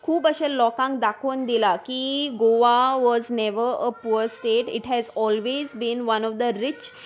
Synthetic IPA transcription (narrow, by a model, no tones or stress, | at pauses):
kʰuːbəɕelɔkãŋk̚d̪akʰond̪ilakiɡoʋaʋɔznɛʋəɾəpuəɾsʈeʈɪʈɦɛzɔlʋezbĩnʋɐnɔʋd̪əɾɪt͡ʃ